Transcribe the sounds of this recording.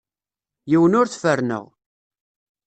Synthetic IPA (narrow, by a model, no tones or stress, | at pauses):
jiwənʊɾθfəɾnə̰ʁ